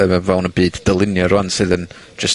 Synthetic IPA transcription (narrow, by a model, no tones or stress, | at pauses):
ɛmɛvɛwnəbiːddəlˠɪnjɔɾɔansɨðən | d͡ʒəs